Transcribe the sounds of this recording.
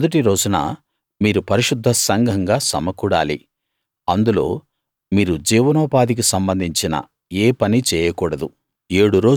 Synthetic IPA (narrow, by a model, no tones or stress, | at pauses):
d̪ɐʈiɾo̞ːd͡ʒunɐ̰ | miːɾupɐɾiʃud̪ʱːɐsɐŋɡʱɐŋɡaːsɐ̰mɐkuːɽa̰ːlḭ | ɐnd̪ulo̞ː | miːɾud͡ʒiːʋɐnɔːpaːd̪ik̬isɐmbɐnd̪ʱiɲt͡ʃinɐ̰ | eːpɐnit͡ʃɛːjɐkuːɽɐd̪u | e̞ːɽuɾo̞ː